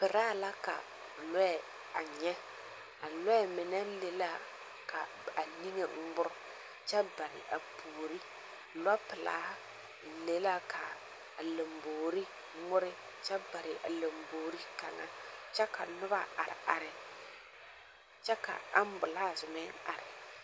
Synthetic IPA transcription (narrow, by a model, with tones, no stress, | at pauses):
pɪ˨ɾaː˦la˦ka̰˨ | lɔ˦ɛ˨ | a˨ɲɛ˦ | a˨lʊ˦ɛ˦˨mɪ˨nɛ˦le˦la˦ | ka˨ | a˨ni˦ŋe˨ŋ̩˦ɡ͡bʊ˦ɾʊ˦ | t͡ʃɛ˦ba˨ɾɪ̰˨ʔa˨pʰuː˨ɾi˦˨ | la˦pɪ˨la̰ː˦ | le˦la˦kʰa˨ | a˨le˨mboː˨ɾi˦ | ŋʊ˦ɾɪ˦ | t͡ʃɛ˦ba˨ɾɪ˨ʔa̰˨le˨mboː˨ɾi˦ka˨ŋa̰˨t͡ʃɛ˦ka˨nʊ˦ba̰˦a̰˨ɾɪ̰˨ʔa˨ɾɪ˨ | t͡ʃɛ˦ka̰˨a˦m˦bʊ˨la˦˨zʊ˨mɛ˦a˨ɾɪ˨